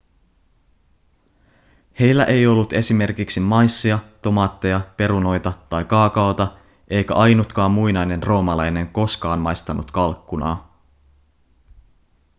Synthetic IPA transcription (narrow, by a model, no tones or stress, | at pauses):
he̞jlːæʔe̞jo̞lːut̪e̞sime̞rkiksimːɑjsːiɑt̪o̞mɑːt̪ːe̞jɑpe̞ɾuno̞jt̪ɑt̪ɑjkɑːkɑwt̪ɑ | ʔe̞jkæʔɑjnut̪kɑːmːujnɑjne̞nro̞ːmɑlɑjne̞ŋko̞skɑːnmɑjst̪ɑnut̪kɑlkːunɑ̰ː